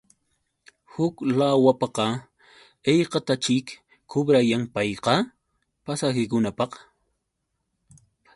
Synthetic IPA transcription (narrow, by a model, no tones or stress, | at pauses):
hʊklawapɑqɑ | ejqɑt̪at͡ʃɪk | kʰːʊbɾajaŋpɑjqɑ | pasakɪkʊnapɑq